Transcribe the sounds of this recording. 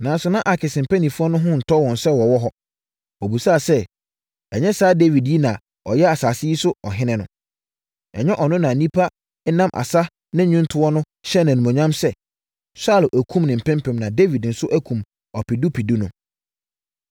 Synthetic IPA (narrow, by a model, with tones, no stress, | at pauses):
nã˨n˦sʊ˨nã˦ʔa˨kʰɪ˨sɪ̃˨m̩˨pʰæ˦nĩ˨fu˦ɔ˦nʊ̃˦ɦʊ̃˦n̩˨tʰɔ˦wɔ̃˨n˨sɛ˦wɔ˨wɔ˦ɦɔ˦ | o˨bu˨saː˦˨sɛ˦ | ɛ˨ɲɛ̃˦saː˨˦de˦vi˨dji˦nã˨ | ɔ˨jɛ˦a˨saː˨sɪ˦i˦sʊ˦ɔ̰˨ɦɪ̃˦nɪ̃˦nʊ̃˨ | ɛ˨ɲɛ̃˦ʔɔ˨nʊ̃˦nã˨nĩ˦pʰa˦ | ɛ˦nã˦mʔa̰˨sa˦ | nɪ̃˦ɲʊ̃˦ntʰʊ˦ɔ˦nʊ̃˦ | ɕɛ˦nã˨nũ˨mã˨ɲã˦msɛ˦ | sa˦˨lʔæ˨kʰũ˦mnɪ̃˨m̩˨pʰɛ̃˦mpʰɛ̃˨mnã˨de˦vi˨dn̩˨sʊ˦ʔæ˦kʰũ˨m | ɔ˨pi˨du˦pʰi˨du˦nʊ̃˦